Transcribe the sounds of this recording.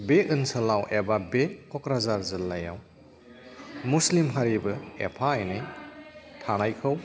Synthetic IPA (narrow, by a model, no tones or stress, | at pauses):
beʔɯnsɐlawʔebabekɔkɾazaɾzɯlːaja̰w | muslimɦaɾibɯḛpʰaɯjnɯj | tʰanajkʰɯw